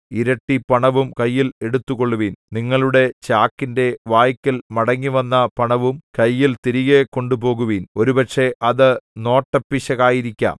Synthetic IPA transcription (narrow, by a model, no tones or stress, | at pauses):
iɾɐʈːipɐɳɐʋumkɐjːile̞ɽut̪ːuko̞ɭːuʋiːnniŋːɐɭuɽe̞t͡ɕaːkːinde̞ʋaːjkʲːilmɐɽɐŋːiʋɐnːɐpɐɳɐʋumkɐjːilt̪iɾiɣeko̞ɳɖupo̞ːɣuʋiːno̞ɾupɐkʂe̞ʔɐðɨno̞ːʈːɐpːiɕɐɣaːjiɾikʲːa̰ːm